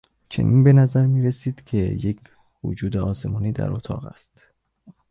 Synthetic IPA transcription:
t͡ʃʰe̞̰nʔḭnbe̞næzæɾmiːɾesiːd̪̥cʰe̞jecʰ | vo̰d͡ʒuːd̪eɒːse̞mɒːniːd̪æ̰ɾot̪ʰɒ̰ːɣæ̰st̪

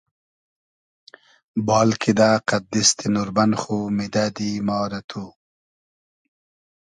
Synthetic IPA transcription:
bɑːlkʰid̪aqad̪ist̪ʰinuɾbanxumid̪ad̪imɑːɾat̪ʰu

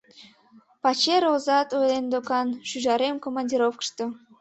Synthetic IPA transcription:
pɑt͡ɕeɾozɑt̪ojlend̪okɑnʃyʒɑɾemkomɑnʲdʲiɾofkə̥ʃt̪o

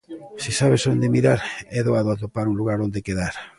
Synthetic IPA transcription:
sisaβesond̪emiɾaɾɛðoaðoat̪opaɾunluɣaɾond̪ekeðaɾ

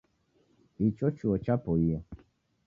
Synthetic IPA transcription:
it͡ʃot͡ʃuɔt͡ʃapoia

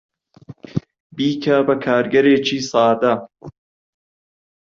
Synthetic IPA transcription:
biːkʰɐbɐkʰaːɾɡɐɾeːt͡ʃiːsɑːd̪ɐ

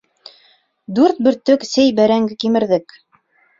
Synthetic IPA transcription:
d̪ʉɾt̪̚bɵ̆ɾt̪ɵksɘjbæɾæŋɡɘkimɘ̆ɾðɘk

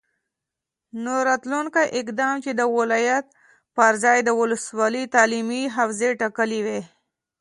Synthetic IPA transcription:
noɾɑt̪lunkaʔɪkd̪ɑmt͡ʃed̪əwɪlɑjat̪̚ | pəɾzɑjd̪əwʊləswɑlət̪ɑlimiɦafzeʈakəliwe

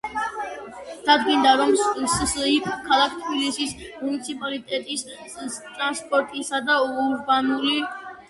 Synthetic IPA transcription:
d̪̥ad̪ɡind̪aɾɔmssikʰkʰalˠak̚ʰt̪ʰbilisismunit̪sʰipʼalit̪ʼɛt̪ʼis | t̪ʼɾanspʼɔɾt̪ʼisad̪aɾbanuli

